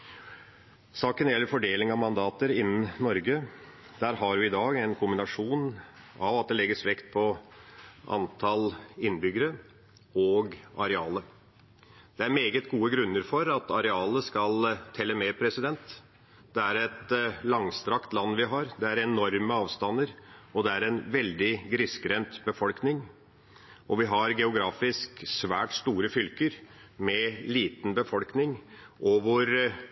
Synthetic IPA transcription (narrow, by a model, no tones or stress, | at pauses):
sɑːkənjɛlːəɾfɔɖeːlɪŋɑʋmɑnd̪ɑːt̪əɾɪnːn̩nɔɾɡə | d̪̥æːɾɦɑɾjʊɪd̪ɑːɡɛnkʰʊmbɪnɑʂuːnɑʋɑt̪̚d̪ɛlɛɡːəsʋɛkt̪̚pʰɔ | ʔɑ̰nt̪ʰɑlɪnːbʏɡːəɾə | ɔːɡɑɾɛɑːlə | d̪̥ɛæɾmeːɡət̪ɡuːəɡɾʉnːəɾfɔɾɑt̪ɑɾɛɑːləskɑlt̪ʰɛlːəmɛpʰɾɛsɪd̪ɛnt̪ | d̪̥ɛæɾɛt̪lɑŋst̪ɾɑkt̪lɑnːʋɪɦɑɾd̪ɛæɾɛnɔɾməɑːʋst̪ɑnːəɾɔd̪ɛæɾɛnʋɛld̪ɪɡɾɪskɾɛnt̪bəfɔlknɪŋ | ʔɔʋɪɦɑɾɡɛʊɡɾɑːfɪsksʋæ̰ːʈst̪uːɾəfʏlkəɾmɛliːt̪n̩bəfɔlknɪŋʔɔʋʊɾ